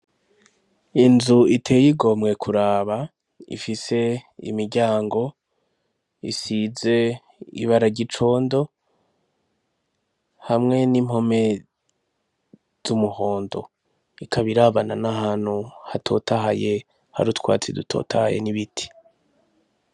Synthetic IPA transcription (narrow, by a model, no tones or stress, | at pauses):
inzuitʰe̞ːjiɡo̞mŋe̞kʰuɾaːβa | ḭfise̞ḭmiɾɟaːŋɡo̞ | ḭsize̞ | ḭβaɾaɟit͡ʃo̞ːndo̞ | hamŋe̞nim̥ho̞me̞ | z̥umuho̞ːndo̞̰ | ikʰaβiɾaβananahaːn̥huhatʰo̞̰ːtaɦaje̞ | ha̰ɾutwa̰ːt͡sidutʰo̞̰ːtahajḛniβitʰi̥